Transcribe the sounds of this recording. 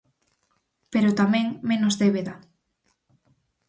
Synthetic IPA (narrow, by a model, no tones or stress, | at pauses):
peɾot̪amẽŋmenozðeβeða